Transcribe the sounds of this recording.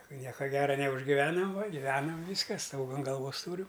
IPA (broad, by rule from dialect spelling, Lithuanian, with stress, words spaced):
ˈnʲiɛkɐ ˈɡʲæːrɐ nʲɛʊʒʲɡʲɪˈʋʲæːnɐm ʋɐ ɡʲɪˈʋʲæːnɐm ˈʋʲiːskɐ ˈstoːɡɐ ɐn ɡɐlˠˈʋoːs ˈtuːrʲʊ